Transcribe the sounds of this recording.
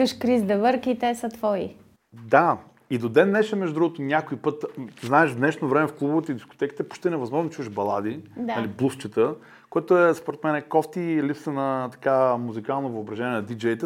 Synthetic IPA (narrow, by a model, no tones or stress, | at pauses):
əʃkɾizd̪ɛvəɾkiːt̪ɛsət̪vɔḭ | d̪a | id̪od̪ɛnːɛʃɛmɛʒd̪ud̪ɾuɡot̪onʲakoipɤt̪znaɛʒd̪nɛʃnovɾɛmɛfklˠubovɛt̪id̪isko̥t̪ɛki̥t̪ɛpo̥ʃt̪ɛnɛvɐzmɔʒnot͡ʃuvɛʒbɐlˠad̪inɐliblˠuft͡ʃət̪ə | kojɛt̪oɛspoɾɛt̪mɛnɛkɔft̪ilipsənɐt̪ɐ̥kamuzikalˠnovəobɾɐʒɛnʲɛnɐd̪id͡ʒɛjt̪ɛ